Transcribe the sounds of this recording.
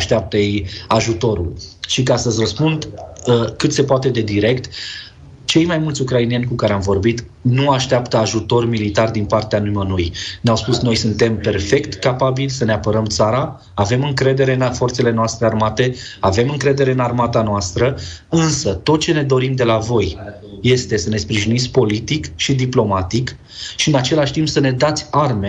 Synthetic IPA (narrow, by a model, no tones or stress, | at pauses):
aʃt̪eap̚t̪əjejaʒut̪o̞ɾṵlʃikast̪əzʲrəspund̪əkɨt̪se̞poat̪e̞d̪e̞d̪iɾe̞kt̪ | t͡ʃe̞jmajmult̪sʲukɾainie̞nʲkukaɾeamvo̞rbit̪ | nuaʃt̪eapt̪əaʒut̪o̞rmilit̪ard̪inpart̪eanujmənujnawspusno̞jsunt̪e̞mpe̞rfe̞kt̪kapabilʲsəneapəɾəmt̪saɾa | ave̞mɨŋkɾe̞d̪e̞ɾe̞nfo̞rt̪se̞le̞noast̪ɾearmat̪e̞ave̞mɨŋkɾe̞d̪e̞ɾe̞ɨnarmat̪anoast̪ɾəɨnsət̪o̞t̪̚t͡ʃe̞ne̞d̪o̞ɾimd̪e̞lavo̞j | je̞st̪e̞səne̞spɾiʒinit̪sʲpo̞lit̪ikʃid̪iplo̞mat̪ik | ʃiɨnat͡ʃe̞laʃʲt̪impsəne̞d̪at̪sʲarme